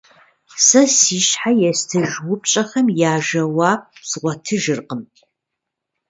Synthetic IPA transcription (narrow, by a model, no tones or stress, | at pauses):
sɐsiːʃħajɛstʰɨʒwʊp̚ɕʼɐxɐmjaːʒɐwaːp̚sʁʷɔtʰɨʒɨrqəm